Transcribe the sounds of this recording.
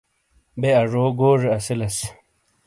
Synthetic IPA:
beɐʐoːɡoːʐeɐsilɐs

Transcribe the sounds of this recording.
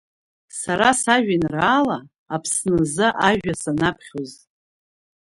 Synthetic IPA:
saɾasaʒᶣinraːlaː | pʰsnɨzɨʔaʒᶣasanapʰχʲoz

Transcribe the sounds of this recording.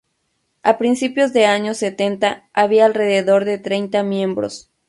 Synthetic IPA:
apɾinsipjo̞zðe̞aɲo̞set̪e̞nt̪aaβiaːlre̞ðeðo̞ɾðe̞t̪ɾe̞jnt̪amjẽ̞mbɾo̰s

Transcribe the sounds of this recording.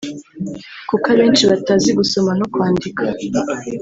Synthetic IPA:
kukaβe̞ːnt͡ʃiβataziɡuso̞manokwaːndikʰa

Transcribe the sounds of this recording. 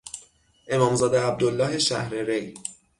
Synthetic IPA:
ʔe̞mɒːmzɒːd̪eæb̚d̪olːɒːɦe̞ʃæ̰hɾeɾe̞j

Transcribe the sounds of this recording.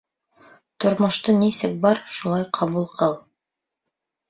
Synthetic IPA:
t̪ŏɾmŏʃt̪ɤnisɘk̚bɑɾʃulˠɑjqʰɑβulˠqʰɤlˠ

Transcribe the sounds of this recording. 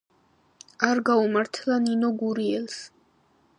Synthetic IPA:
aɾɡaumaɾt̪ʰlˠaninɔɡuɾiɛlˠs

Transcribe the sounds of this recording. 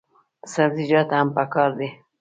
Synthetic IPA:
saɾzɪd͡ʒɑt̪ahampakɑɾd̪e

